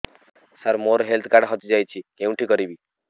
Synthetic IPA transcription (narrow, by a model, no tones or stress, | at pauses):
saɾmoɾɦelt̪ʰkaɽɦɔt̪id͡ʒajt͡ʃʰikẽũʈʰikɔɾibi